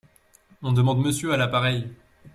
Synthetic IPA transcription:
ɔ̃d̪əmɑ̃d̪məsjøalapaʁɛj

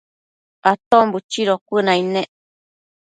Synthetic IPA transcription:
at̪ombut͡ʃiɾokʷunãinẽ

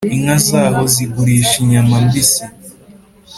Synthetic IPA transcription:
iŋazaːɦoziɡuɾiːʃiɲamambisi

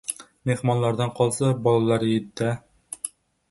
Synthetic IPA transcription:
mehmɒnlˠɑɾd̪ɑɴqʰɒlˠsɑbɒlˠɑlˠɑɾɪt̪ːæ

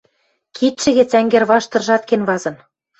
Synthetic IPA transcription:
kʰit̪ʃɘ̆ɣĕt͡sæŋɡĕrβɑʃt̪ɤ̆rʒɑt̪kenβɑzɤ̆n

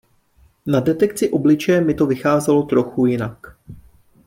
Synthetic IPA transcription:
nadɛt̪ɛkt͡sɪʔo̞blɪt͡ʃɛjɛmɪt̪o̞vɪxaːzɛlo̞t̪ɾo̞xujɪnak

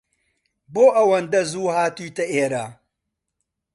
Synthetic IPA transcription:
boːʔɐwɐnd̪ɐzuːhaːt̪uːt̪ɐʔeːɾaː

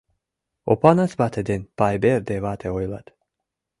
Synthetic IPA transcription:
o̰pɑnɑsbat̪ʰed̪enpajberd̪evat̪ʰeojlˠɑt̪

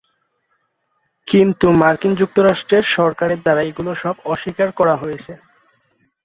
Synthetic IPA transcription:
kint̪umaɾkind͡ʑuk̚t̪oɾaʃʈɾeɾʃɔɾkaɾeɾd̪aɾajɡuloʃɔbɔʃikaɾkɔɾaɦojet͡ɕʰe

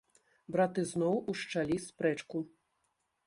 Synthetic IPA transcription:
bɾat̪ɨznɔwuʂt͡ʂalʲispɾɛt͡ʂku

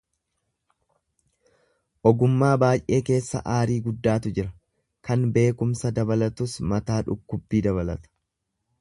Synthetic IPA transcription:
ʔɔɡʊmːaːbaːjʔe̞ːke̞ːsːɐ̰ʔaːɾiːɡʊd̪ːaːt̪ʊd͡ʒɪɾɐ | kɐnbe̞ːkʊmsɐd̪ɐbɐlɐt̪ʊsmɐt̪aːᶑʊkːʊbːiːd̪ɐβɐlɐt̪ɐ̥

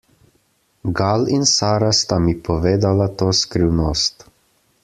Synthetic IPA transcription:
ɡalinsaːɾast̪amipɔʋeːd̪alat̪oːskɾiwnoːst̪

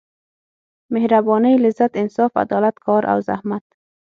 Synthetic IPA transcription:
mehɾabɔnijlɪzːat̪ɪnsɑːfa̰d̪ɒlat̪kʰɑɾʔa̰wza̰hmat̪̚

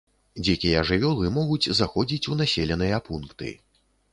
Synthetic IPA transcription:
d͡zʲɛkʲijɐʐɨvʲɔlˠɨmɔɣut͡sʲzaxɔd͡zʲit͡sʲunasʲelʲɛnɨjɐpunkt̪ɨ̰

